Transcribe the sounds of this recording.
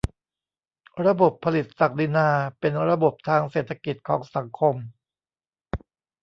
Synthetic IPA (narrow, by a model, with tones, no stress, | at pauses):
ɾa˧bo˨˩pʰːa˧li˨˩t̪̚sa˨˩k̚li˧naː˧pe˧nɾa˧bo˨˩p̚t̪ʰaː˧ŋseː˨˩t̪ʰa˧ki˨˩t̪̚kʰɔː˩˦ŋsa˩˦ŋkʰo˧m